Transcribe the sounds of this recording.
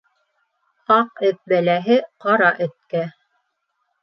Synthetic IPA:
ɑq̚ɵ̆θ̚bælæɦɘqɑɾɑʔɵ̆t̪̚kæ

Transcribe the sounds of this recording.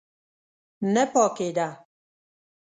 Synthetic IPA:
nɛpɔked̪a

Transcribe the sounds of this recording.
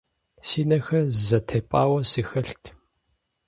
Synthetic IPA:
siːnɐxɐzɐtʰeːpʼaːwɐsiːxɐɬtʰ

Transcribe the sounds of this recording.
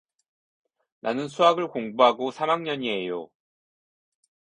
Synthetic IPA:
nʔanɯnsʰuɦaɡɯɭkoŋbuɦaɡosʰamaŋɲʌɲie̞jo̰

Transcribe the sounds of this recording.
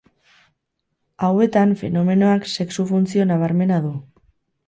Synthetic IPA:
awe̞t̪anfe̞̰no̞me̞no̞akse̞ksufunt͡sio̞naβ̞aɾme̞naðu

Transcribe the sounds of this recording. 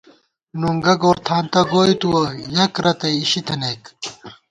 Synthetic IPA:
nuŋɡɐɡoːɾt̪ʰaːnt̪ɐɡoːit̪uɐjɐkɾɐt̪ɐjiɕit̪ʰɐnek

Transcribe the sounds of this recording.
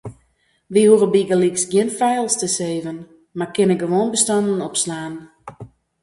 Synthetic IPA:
ʋihuərəbiɡəliksɡjɪnfɛjlˠstəseːvən | markɪnəɡəʋoːnbəstɑndənɔpslaːn

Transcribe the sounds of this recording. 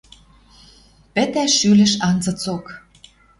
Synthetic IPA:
pɘ̆t̪æʃylɘ̆ʃɑnzɤ̆t͡sok

